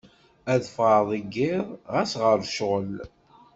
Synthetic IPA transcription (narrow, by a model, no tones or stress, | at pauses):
æðfʁəðˤəɡːɪðˤʁæsʁəɾʃʁəl